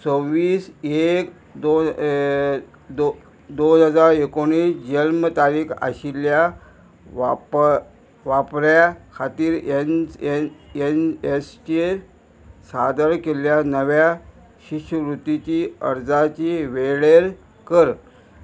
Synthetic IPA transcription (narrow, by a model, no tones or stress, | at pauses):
t͡səʋiːsek | d̪o | d̪o | d̪oɦəd͡zaɾekoɽ̃iːsd͡ʑəlmt̪aɾiːkʰa̰ɕilja | ʋp | ʋapɾjakʰat̪iːɾen | enesʈe | sad̪əɾkeljanəʋja | ɕiɕəɾut̪it͡ɕiːəɾd͡zat͡ɕiʋeɭeɾ | kəɾ